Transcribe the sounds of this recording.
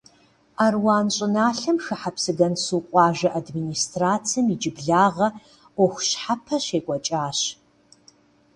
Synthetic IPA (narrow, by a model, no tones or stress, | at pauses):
aːrwɑːnɕʼɪnaːɬɐmxɨħapsɨɡɐnsuːqʷʼɑːʒɐʔadminiːstraːt͡sʰijɐmid͡ʒɪbɮaːʁɐ | ɔxʷʊɕħapʰɐɕeːkʷʼɔt͡ʃʼaːɕ